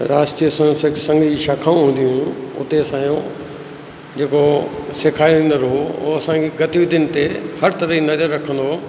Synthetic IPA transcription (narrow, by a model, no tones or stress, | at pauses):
ɾaːsʈijəsãssɐ̃ŋɡʃaːkʰaːũɦũːn̆d̪ijũʊ̰t̪eɐsãːjõ | d͡ʑeːkosekʰaːiʋẽːn̆d̪əɾɦoo̰ːɐsãkeɡɐt̪iʋid̪ɪnɪ̆t̪ehɐɾt̪ɐɾəɦinɐzəɾːɐkʰə̃nd̪o